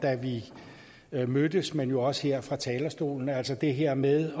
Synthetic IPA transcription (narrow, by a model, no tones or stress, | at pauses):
d̥æʋi | mød̥əsmenjo̝ɒ̽sə̥heɐ̰fʁɑ̈t͡sʰɛːlɐsd̥o̝̰ːln̩æl̰sɒɐd̥e̝ɦeɐ̰meðˠ